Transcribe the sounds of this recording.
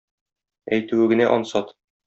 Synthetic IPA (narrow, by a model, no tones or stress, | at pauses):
æjt̪ʉwɘɡɘ̆næʔɒnsɒt̪